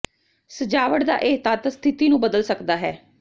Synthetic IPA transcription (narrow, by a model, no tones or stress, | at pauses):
səd͡ʒaːʋəʈd̪a̰ːʔeːt̪aːt̪ast̪ʰɪt̪iːnũːbəd̪əlsəkd̪aːɦɛː